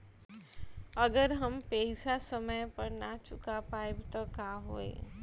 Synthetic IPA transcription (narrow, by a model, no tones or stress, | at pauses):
ɐɡəɾɦɐmpɛːɪsasəməjpəɾnat͡ʃʊkapaːebʱt̪okaːɦoːḛː